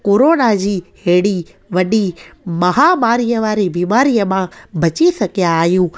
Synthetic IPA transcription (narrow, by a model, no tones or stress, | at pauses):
koːɾoːnad͡ʑiːɦeːɽi | ʋɐɗimɐɦamaːɾijəʋaːɾibiːmaːɾijəmãbʱɐt͡ɕisɐɡʱijaːɦijũː